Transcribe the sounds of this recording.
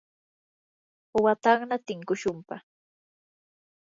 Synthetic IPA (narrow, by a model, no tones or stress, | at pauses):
wat̪ɑχnat̪ɪŋkʊʃʊmpɑ